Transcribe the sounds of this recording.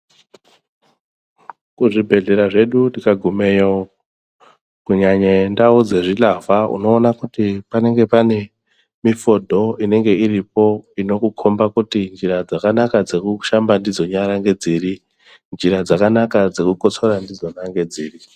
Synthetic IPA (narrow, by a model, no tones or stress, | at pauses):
kuʐibʱe̞ɮe̞ɾaʐe̞ɗundikaɡʱumejo | kuɲaɲendaud͡ze̞ʐilavaṵno̞ːnakutipane̞ŋɡe̞pane̞ | mifo̞dʱo̞ine̞ŋɡe̞iripo̞ino̞kukʰo̞mbakutind͡ʒiɾad͡zakanakad͡ze̞kuʃambandid͡zo̞ɲaɾaŋɡe̞d͡ziːri | nd͡ʒiɾad͡zakanakad͡ze̞kuko̞t͡so̞ɾandid͡zo̞naŋɡe̞d͡ziːri